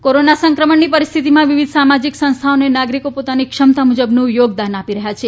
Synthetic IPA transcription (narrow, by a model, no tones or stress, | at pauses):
koɾonasə̃ŋkɾəməɳːipəɾist̪ʰit̪imãʋiʋid̪ʱsamad͡ʒiksə̃st̪ʰaonenaɡɾikopot̪anikʃəmt̪amud͡ʒəbnũjoɡd̪anapiɾəɦjat͡ʃʰe